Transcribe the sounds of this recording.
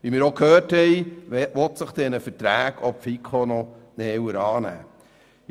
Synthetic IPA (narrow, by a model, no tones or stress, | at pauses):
ʋimɪːɾokhøːthɛjʋɔt̪səχd̥̪ɛnəfəɾtɾæːɡ̥ʰɔpfikʰχonɔnɛwəɾɑːnæ̰ː